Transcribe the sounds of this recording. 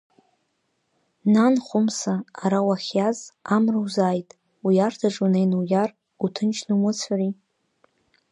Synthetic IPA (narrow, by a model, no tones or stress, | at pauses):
nanχʷʊmsaːɾawaχʲjazamrɨwzaːjtʼ | ujartʰaʈ͡ʂʼunejnujar | utʰɨnt͡ʃʰnɨmʊt͡sʷʰari